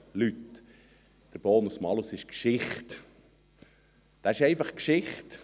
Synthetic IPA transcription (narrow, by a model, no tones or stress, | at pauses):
lyt | d̥əɾb̥oːnusmɑlusɪʃkʃɪχt | d̥ɑɪʃɛɪfɑχkʃɪχt̪